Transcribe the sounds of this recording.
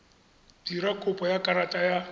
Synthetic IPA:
diɾakʼʊpʼɔjakʼaɾatʼaja

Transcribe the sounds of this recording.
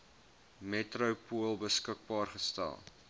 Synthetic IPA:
metrəwpuəlˠbəskək̚bɑːrχəstæ̰lˠ

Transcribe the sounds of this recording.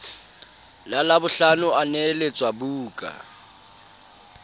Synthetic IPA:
lalabʊɬanʊanɛlet͡sʼwabuːkʼa̰

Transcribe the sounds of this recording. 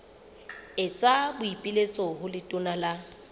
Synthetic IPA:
ɪt͡sʼabʊipʼilet͡sʼɔɦʊlɪtʼʊnala

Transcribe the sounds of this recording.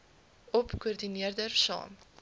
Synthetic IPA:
ɔpkuərdiniərdərsɑ̰ːm

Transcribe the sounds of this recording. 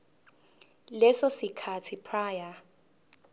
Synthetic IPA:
lɛsɔsikʰatʰipʰraːja

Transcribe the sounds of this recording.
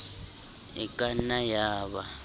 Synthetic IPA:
ḭkʼanajaːβa

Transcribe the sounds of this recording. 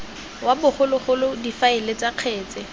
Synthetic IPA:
wabʊχʊlʊχʊlʊdifaɪlet͡saq͡χʰɛːt͡sɛ

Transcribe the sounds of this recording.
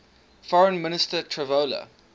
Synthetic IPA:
fɔɹə̃nmɪnɪstətʰɹɛvoːlə̰

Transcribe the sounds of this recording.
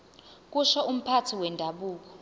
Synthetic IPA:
k̬ʼuʃɔum̩pʰatʰiwɛndʱaɓuːk̬ɔ̥

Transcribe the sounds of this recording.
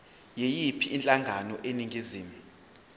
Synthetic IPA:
jejipʰiiːnt͡ɬʼaŋɡʱanɔʔeniŋɡʱiziːmu

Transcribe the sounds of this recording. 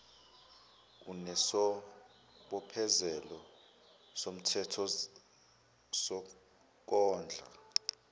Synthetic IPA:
unɛsɔ | ɓɔpʰɛzɛlɔ | som̩tʰɛtʰɔ | sɔ | k̬ɔːnd͡ɮʱa̰

